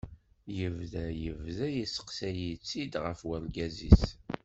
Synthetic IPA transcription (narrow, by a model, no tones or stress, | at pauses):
jəvðæjəvðæjisə̥qsæjit͡sːid̪ʁəfwælɡæzḭs